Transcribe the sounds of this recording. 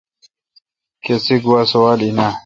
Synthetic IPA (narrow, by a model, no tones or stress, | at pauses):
kesiɡuwasɐwaːlina